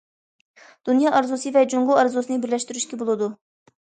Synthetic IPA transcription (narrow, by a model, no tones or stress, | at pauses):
d̪̥unjɑːʔɑɾzusɨvɛd͡ʒuɴʁʊɑɾzusɨnɨbɪɾlɛʃt̪yɾyʃkʲɛbolˠɨd̪u